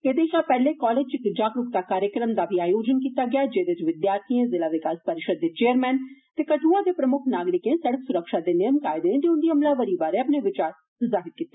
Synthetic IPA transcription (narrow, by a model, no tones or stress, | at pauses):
eːd̪eːʃaːpɛːleːkɔːleːd͡ʒt͡ʃɪkd͡ʒaːɡɾʊk̚t̪aːkaːɾjəkɾəmd̪aːbʱiaːjoːd͡ʒənkiːt̪aːɡɪaːd͡ʒeːd̪et͡ʃʋɪd̪jaːɾt̪ʰiẽːzɪlaːʋɪkaːspəɾɪʃəd̪̚ːeːt͡ʃeːəɾmɛ̃ːnt̪eːkəʈʰuːaːd̪eːpɾəmʊkʰnaːɡɾɪkẽːsɛɽəksʊɾəkʃaːd̪eːnɪjəmkaːɪd̪eet̪eːʊnd̪iːɦəmlaːʋəɾiːbaːɾeːəpneːʋɪt͡ʃaːɾ | zaːɦɪɾkiːt̪ːe̥ː